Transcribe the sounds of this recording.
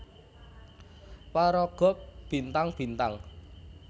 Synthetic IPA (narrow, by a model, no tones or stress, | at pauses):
paɾɔɡ̥ɔ̤p̚b̥i̤nt̪aŋb̥i̤nt̪aŋ